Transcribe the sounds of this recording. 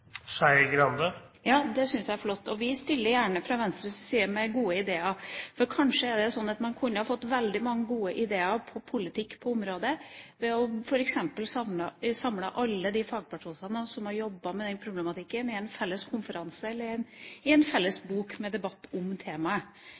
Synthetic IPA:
sæɪɡɾɑnd̪ə | jɑːd̪ɛsʏnsjæɪæɾflɔt̪ːɔʋɪst̪ɪlːəɾjæːɳəfɾɑːʋɛnst̪ɾəssiːəmæɡuːəɪd̪eːɑfɔɾkʰɑnʂəɛɖɛsɔnːɑt̪mɑnkʰʉnːəhɑɾfɔt̪ːʋɛld̪ɪmɑŋːəɡuːəʔɪd̪eːɑpʰɔpʰʊlɪt̪ʰɪkːpʰɔʊmɾoːd̪əʋɛɔfɔɾɛksɛmpəlsɑmlɑsɑmlɑʔɑlːəd̪ifɑːɡ̚pʰɑʂuːnsɑnənsɔmhɑɾjɔbːɑmɛd̪ɛnpʰɾʊbləmɑt̪ʰɪkːənɪɛnfɛlːəskʰʊnfəɾɑnsəɛlːəɾæɪnɪɛnfɛlːəsbuːkmɛd̪ɛbɑt̪ːʊmt̪ʰeːmɑə

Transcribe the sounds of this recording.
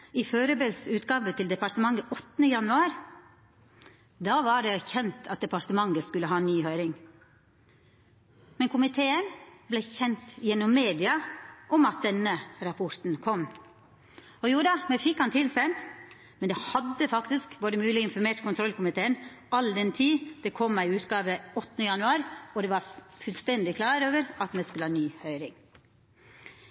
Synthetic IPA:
ɪføːɾəbelsʉːt̪ɡɑːʋət̪ʰɪld̪ɛpɑɾt̪əmɑŋːəʔɔt̪ːnəjɑnʉɑːɾ | d̪ɑːʋɑɖɛçɛnt̪ʰɑt̪̚d̪ɛpɑɾt̪əmɑŋɡəskʉlːəɦɑːnyːhœʏɾɪŋ | mɛnkʰʊmɪt̪ʰeːənblɛçɛnt̪jɛnːɔmːeːd̪ɪɑʔɔmɑt̪̚d̪ɛnːəɾɑpʰɔɾt̪n̩kʰɔm | ɔjuːd̪ɑmɛfɪkhɑnt̪ʰɪlsɛnt̪ | mɛnd̪ɛhɑd̪ːəfɑkt̪ɪskboːɾəmʉːlɪɪnfɔɾmeːʈkʰʊnt̪ʰɾɔlkʰʊmɪt̪ʰeːən | ʔɑld̪ɛnt̪ʰiːd̪̥ɛkʰɔmːæɪʉːt̪ɡɑːʋəɔt̪ːnəjɑnʉɑːɾɔd̪ɛːʋɑɾfʉlst̪ɛnd̪ɪkʰlɑːɾoːʋəɾɑt̪mɛskʉləɑːnyːhœʏɾɪŋ

